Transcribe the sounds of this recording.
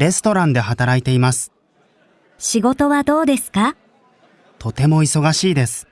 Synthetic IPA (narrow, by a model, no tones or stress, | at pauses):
ɾe̞sɨ̥t̪o̞ɾãnd̪e̞ɦat̪aɾait̪e̞imasɨ̥ | ɕiɡo̞t̪o̞βad̪o̞ːd̪e̞sɨ̥ka | t̪o̞t̪e̞mo̞iso̞ɡaɕiːd̪e̞sɨ̥